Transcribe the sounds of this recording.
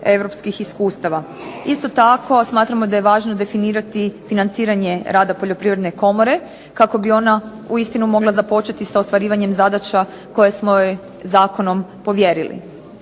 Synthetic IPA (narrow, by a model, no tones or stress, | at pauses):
e̞ʋɾo̞pskixiskuːst̪aʋa | ist̪o̞t̪ako̞smaːt̪ɾamo̞d̪aje̞ʋaːʒno̞d̪e̞finiːɾat̪ifinant̪siːɾaɲe̞ɾaːd̪apo̞ʎo̞pɾiːʋɾed̪neko̞mo̞ɾe̞ | kako̞bio̞na | uist̪inumo̞ɡlˠazapo̞t͡ʃet̪isaost̪ʋaɾiːʋaɲe̞mzad̪at͡ʃa | ko̞jesmoje | zaːko̞no̞mpo̞ʋje̞ɾilḭ